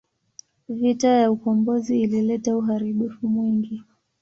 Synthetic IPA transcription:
vitajaukɔmbɔziːlilɛtauɦaɾiɓufumwiŋɡi

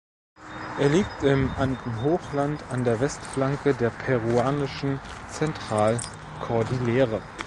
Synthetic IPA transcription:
ʔeːɐliːk̚tɪmʔantn̩ɦoːχlantandeːɐvɛstflaŋkədeːɐpʰɛʁuaːnɪʃn̩t͡sɛntʁ̥aːl | kʰɔɐdileːʁə

